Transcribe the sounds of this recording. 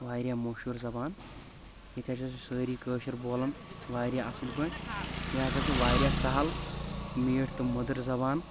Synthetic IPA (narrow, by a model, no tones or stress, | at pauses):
ʋaːjɾʲjaːmoʃuːɾzɐbaːn | jit̪ʰʲjat͡ʃɐt͡ʃusəːɾiːkəːʃɐɾboːlɐnʋaːɾʲjaːɐslʲkoːnjaːt͡ʃɐt͡ʃuʋaːjɾʲjaːsɐɦɐl | miːʈʰt̪ɨmɐd̪ɐɾzɐbaːn